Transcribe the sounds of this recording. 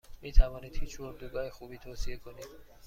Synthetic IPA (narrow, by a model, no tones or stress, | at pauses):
mit̪ʰavɔnid̪hit͡ʃʰoɾd̪uɡahixubiːt̪ʰosiekʰonid̪̥